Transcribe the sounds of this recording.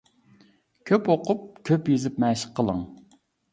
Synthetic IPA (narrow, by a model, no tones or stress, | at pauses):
kʲʰøpoqʰʊp̚kʲʰøpjezɪpmɛʃə̥qʰːəlˠə̰ŋ